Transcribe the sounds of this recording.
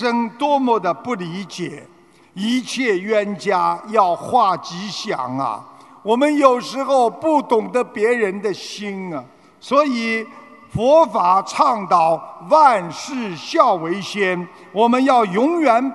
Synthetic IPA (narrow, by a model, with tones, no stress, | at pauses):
ʂə˥ŋt̪wɔ˥mɔ˥˩d̪ə˨pu˥˩li˧˥t͡ɕjɛ˨˩˦ | i˧˥t͡ɕʰjɛ˥˩ɥɛ˥nt͡ɕja˥jɑ˥˧ʊxwa˥˩t͡ɕi˧˥ɕjɑ̰˨˩ŋɐ̰˧ | wɔ˨˩mə˦njo˨˩ʊʂɻ̩˧˥xo˥˧ʊpu˥˩t̪ʊ˨˩ŋd̪ə˦pjɛ˧˥ɻə˧˥nd̪ə˧ɕi˥nə˨ | swɔ˧˥i˨˩˦ | fɔ˧˥fa˨˩ʈ͡ʂʰɑ˥˧ŋt̪ɑ˨˩ʊwa˥˧nʂɻ̩˥˩˧ɕjɑ˥˩ʊwe˧˥ɪɕjɛ˥n | wɔ˨˩mə˦njɑ˥˩ʊjʊ˧˥ŋjɥɛ˨˩˦n